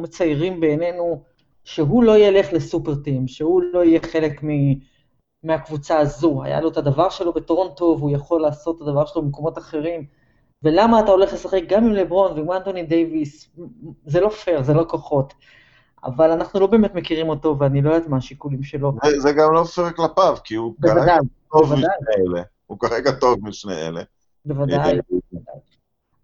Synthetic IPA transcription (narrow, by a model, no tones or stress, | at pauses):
umet͡sajʁimbe̞ːne̞nu | ʃe̞ɦulo̞ijele̞χlesupeʁt̪imʃehulo̞ijeχe̞le̞kmi | meakvut͡saːzua̰ja̰loet̪ad̪avaʁʃe̞lo̞betoʁo̞nto̞vujaχo̞lːaːso̞tːad̪avaʁʃelobemeko̞mo̞taχeʁim | ve̞lamaːtao̞le̞χle̞saχe̞k̚ɡamimlebʁo̞nveimant̪onid̪ejvis | zelo̞fe̞ʁzelo̞koχo̞t̪ | a̰valanaχnulo̞be̞ːme̞t̪mekiʁimo̞to̞veanilo̞jat̪maːʃikulimʃe̞lo̞zezeɡamlo̞feʁeklapavkiubkeavadajtovvad̪ajeele | ukaʁeɡato̞vmiʃneḛle | bevadajvad̪a̰j